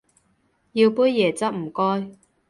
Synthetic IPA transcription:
jiː˧wpuː˥jjɛː˨˩t͡sɐ˥p̚m̩˨˩kɔː˥j

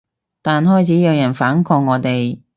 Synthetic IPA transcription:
t̪aː˨nhɔː˥jt͡sʰiː˨˥jœː˧ŋjɐ˨˩nfaː˨˥nkʰɔː˧k̚ŋːɔː˨˧t̪e˨j

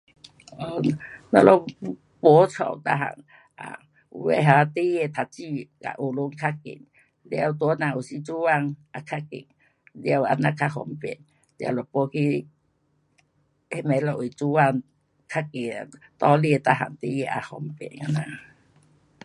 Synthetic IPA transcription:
ɔ˧˨na̰˧lɔ˧˦ | po˧˦t͡sʰɔ̰˨˩˨wt̪a̰˧ɦa̰˨ŋ | ʔa̰˧˨ | ṵ˧˨˦wḛ˧˦ɦa˨˧t̪i˦je˧˨t̪ʰa˨t͡ɕi˧ka̰˨˧˨ʔo˨lo˧˦ŋkʰa˦kḛ˨ŋ | lɛ˧˨wt̪u˧˦nã˧˨u˨˩si˧˦t͡su˦wa˧˨ŋʔa˧kʰa˧kḛ˨ŋ | ljwa̰˧na˧˨kʰa˧hɔ̰˧˦mpḛ˨n | lj̰lɔ˨po˧˦kʰi˧˦ | e˧˨mɛ˨˧˦lɔ˧˨ʔi˨t͡su˦wa˧˨ŋ | kʰa˦˧ke˨a˨t̪ɔ˧˨li˧t̪a˧ɦa̰˨˩ŋt̪i˧˦je˧˨ʔa̰˨˧hɔ˧˦mpḛ˨na˧˨na˧˨

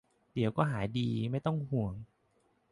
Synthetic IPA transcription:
di˩˦wkɔː˥˩ɦaː˩˦jdiː˧ma˥˩jt̪ɔ˥˩ŋhu˨˩əŋ

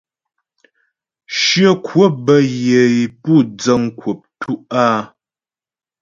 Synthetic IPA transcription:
ʃjə˦kwo˦˨bə˦je˨i˨pu˦˨d͡zə˦˨ŋ˦kwo˨p̚tʰu˦ʔa˦

